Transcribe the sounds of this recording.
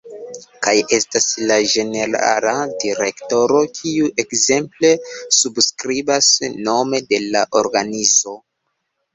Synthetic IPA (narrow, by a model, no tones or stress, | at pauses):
kaje̞staslaʒe̞ne̞ɾa̰ladiɾe̞kto̞ɾo̞kʰiuʔe̞kze̞mple̞subskɾibasno̞me̞de̞laʔo̞ɾɡanizo̞